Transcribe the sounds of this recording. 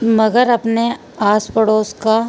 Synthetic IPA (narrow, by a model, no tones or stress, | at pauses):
mɐɡəɾɐpne | aːspəɽoːska